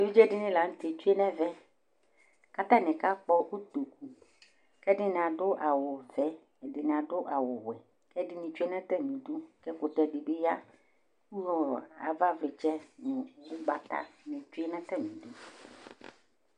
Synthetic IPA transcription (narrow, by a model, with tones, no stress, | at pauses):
e˦vi˦d͡ʒɛ˦ɖɪ˦nĩ˦la˨ŋ̩̃˦t̪e˨t͡ʃu˦e˦nɛ̃˦vɛ˦ | ka˦t̪ã˦nɛ̃˨ka˦k͡pɔ˦o˦t̪o˨k̚u˨ | kɛ˦ɖɪ˦nɪ̃˨a˨ɖʊ˦ʔa˨wʊ˨vɛ˦˨ | ɖɪ˨nɪ̃˨a˨ɖʊ˦ʔa˨wʊ˨wɛ˨ | kɛ˦ɖɪ˦nĩ˨t͡ʃu˦e˦nɛ̃˦t̪ɛ˦mĩ˨d̪u˦kɛ˦ko˨t̪ɛ˦˨ɖi˨be˦ja˦ | ku˦jɔ˦a̰˨va˦vlɪ˨t͡ʃɛ˦nũ˨wu˦ɡ͡ba˨t̪a̰˦nĩ˨t͡ʃu˦e˦nɛ̃˦t̪ɛ˦mĩ˨du˦